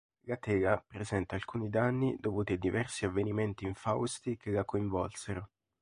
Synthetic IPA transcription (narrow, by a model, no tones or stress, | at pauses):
ɡat̪ɛːɡapɾezɛnt̪aːlkuːnid̪anːid̪ovuːt̪iad̪ivɛrsiavenimɛnt̪iːɱfawst̪ikelakːoiɱvɔlseɾo